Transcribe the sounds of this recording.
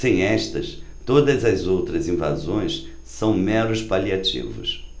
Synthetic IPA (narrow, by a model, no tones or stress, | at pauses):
sẽj̃ɛʃt̪ɐ̰s | t̪od̪ɐzɐzowt̪ɾɐzĩva̰zõj̃s | sɐ̃w̃mɛɾʊspaliat͡ʃḭvʊ̰s